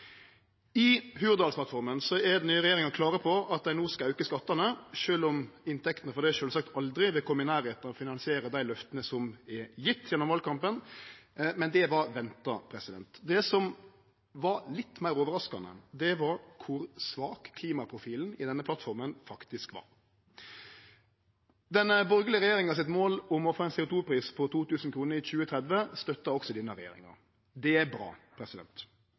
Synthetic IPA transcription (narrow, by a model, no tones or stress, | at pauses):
ɪɦʉːɾd̪ɑlspʰlɑt̪fɔɾmənsɔɛd̪nyːəɾɛjeːɾɪŋɑkʰlɑːɾəpʰɔɑt̪̚d̪æɪnuːskɑɑʉkəskɑt̪ːɑnəʃøːlɔmɪnt̪ʰɛkt̪ənəfɔɾd̪æʂøːlsɑk̚t̪ʰɑld̪ɾɪʋɪkʰʊmɪnæːɾeːt̪ɔfɪnɑnsɪeːɾəd̪æɪlœft̪ənəsɔmɛjɪt̪ːjɛnːɔmʋɑlkʰɑmpən | mɛnd̪ɛʋɑɾʋɛnt̪ɑpʰɾɛsɪd̪ɛ̰nt̪d̪ɛsɔm | ʋɑɾlɪt̪ːmæɪɾɔːʋəɾɑskɑ̰nə̰d̪ɛʋɑɾkʰʊɾsʋɑːkkʰːliːmɑpʰɾʊfiːln̩ɪd̪ɛnːəpʰlɑt̪fɔɾmənfɑkt̪ɪskʋɑ̰ɾ | d̪ɛnəbɔɾɡəlɪəʁɛjeːɾɪŋɑsɪt̪moːlʊmɔfoːɛnsɛːʊt̪ʰuːpɾiːspʰɔt̪ʰuːt̪ʉːsn̩kʰɾuːnəɾɪçʉːət̪ʰɾɛd̪ʋəst̪œt̪ːɑɔksɔd̪ɪːnəɾɛjḛːɾɪ̰ŋɑ̰ɾ | d̪ɛæbɾɑ̰ːpʰɾɛsɪd̪ɛ̰nt̪